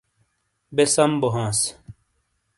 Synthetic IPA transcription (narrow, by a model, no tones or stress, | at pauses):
besɐmboɦãːs